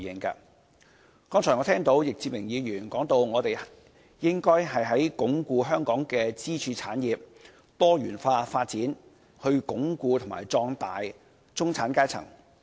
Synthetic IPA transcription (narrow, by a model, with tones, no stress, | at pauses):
jɪ˨˩ŋka̰ː˧ | kɔː˥ŋt͡sʰɔː˨˩jŋɔː˨˧t̪ʰɛː˥ŋt̪o˨˥wjɪ˨k̚t͡siː˧p̚mɪ˨˩ŋjiː˨˧jyː˨˩nkɔː˨˥ŋt̪o˧wŋɔː˨˧t̪e˨j | jɪ˥ŋkɔː˥jɦɐ˨jɦɐ˨˥jkʊ˨˥ŋkuː˧ɦœː˥ŋkɔː˨˥ŋkɛː˧t͡siː˥t͡ʃʰyː˧t͡sʰaː˨˥njiː˨p̚ | t̪ɔː˥jyː˨˩nfaː˧faː˧t̚t͡siː˨˥n | hɵ˧ɥkʊ˨˥ŋkuː˧t̪ʰʊ˨˩ma̰ː˨˩jt͡sɔː˧ŋt̪aː˨j | t͡sʊ˥ŋt͡sʰaː˨˥nkaː˥jt͡sʰɐ̰˨˩ŋ